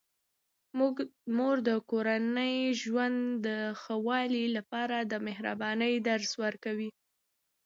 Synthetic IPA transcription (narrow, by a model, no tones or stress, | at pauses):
mumoɾd̪əkoɾanəjʒwand̪d̪əxəwɑlilapɑɾad̪əmɪɦɾa̰bɑnəjd̪aɾswəɾkawi